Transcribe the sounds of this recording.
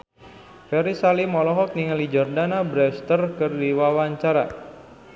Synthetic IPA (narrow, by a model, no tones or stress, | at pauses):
fɛɾisalimɔlɔɦɔk̚niŋalid͡ʒɔrdanabɾɛst̪ərkərdiwawaɲt͡ʃaɾa̰